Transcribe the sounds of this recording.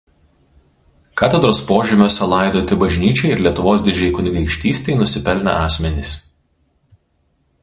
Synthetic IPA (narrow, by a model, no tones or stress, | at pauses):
kɑːt̪ʲɛd̪ɾoːspoːʒʲɪmʲoːsʲɛlˠɐˑɪd̪oːt̪ʲɪbɐʒʲnʲiːt͡ʃʲɛɪɪɾlʲiɛt̪ʊʋoːsd̪ʲɪd͡ʒʲɛɪkʊnʲɪɡɐɪkʃʲt̪ʲiːsʲt̪ʲɛɪnʊsʲɪpʲɛlʲnʲɐ̰ʔɑːsʲmʲɛnʲiˑs